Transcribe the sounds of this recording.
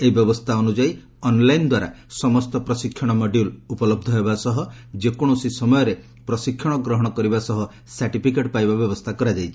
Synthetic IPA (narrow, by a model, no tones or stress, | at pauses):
eibjɔbɔst̪ʰaɔnud͡ʒai | ɔnlajnd̪waɾa̰ | sɔmɔst̪ɔpɾɔsikʰːjɔɽ̃ɔmɔɖjulupɔlɔb̚d̪ʱɔɦebasɔɦɔd͡ʒekɔɽ̃ɔsisɔmɔjɔɾe | pɾɔsikʰːjɔɽ̃ɔɡɾɔɦɔɽ̃ɔkɔɾibasɔɦɔ | saɾʈipʰikeʈpajbabjɔbɔst̪ʰakɔɾad͡ʒajt͡ʃʰi̥